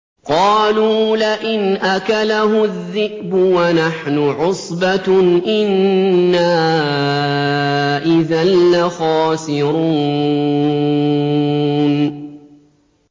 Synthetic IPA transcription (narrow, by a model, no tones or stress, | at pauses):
qɑːluːlɪʔɪnʔakalahʊðːɪʔbʊwanaħnʊʕʊsˤbaʔɪnːaː | ʔɪðanːaxɑːsɪɾuː | n